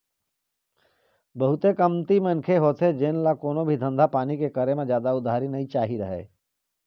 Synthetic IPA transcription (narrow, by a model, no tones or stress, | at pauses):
bəɦʊt̪ekəmt̪imənkʰeɦoːt̪ʰed͡ʒeːnlakoːnobʱid̪ʱə̃nd̪ʱapaːnikekəɾemẽd͡ʒjaːd̪aʊd̪ʱaːɾinəɦĩt͡ʃaːɦiɾəɦḛː